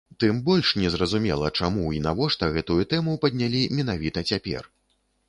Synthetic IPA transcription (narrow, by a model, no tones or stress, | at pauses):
t̪ɨmbɔlʲʂnʲɛzɾɐzumʲɛlˠɐt͡ʂamuinavɔʂt̪ɐɣɛt̪ujut̪ɛmupɐd̪̚ʲnʲalʲimʲɛn̪avʲit̪ɐt͡sʲapʲɛ̰r